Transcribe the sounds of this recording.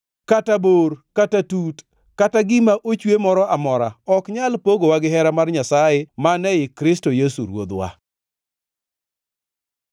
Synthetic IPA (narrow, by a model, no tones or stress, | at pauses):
kataborkatatut | kataɡɪmaʔot͡ʃwemɔɾɔamɔɾa̰ɔkɲalpoɡowaɡɪɦɛɾamarɲasajemanɛjɪkɾɪstojesṵɾwo̰d̪wa̰